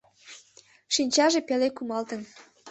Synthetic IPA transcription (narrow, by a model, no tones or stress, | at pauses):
ʃinʲt͡ɕɑʒepelekumɑlt̪ə̆n